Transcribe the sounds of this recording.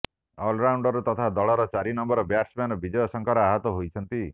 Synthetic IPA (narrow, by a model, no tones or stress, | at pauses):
ɔlɾawɳɖɔɾut̪ɔt̪ʰad̪ɔɭɔɾɔt͡ʃaɾinɔmbɔɾɔbaʈsmanɔbid͡ʒɔjɔsɔŋkɔɾɔaɦɔt̪ɔɦojt͡ʃʰɔnt̪i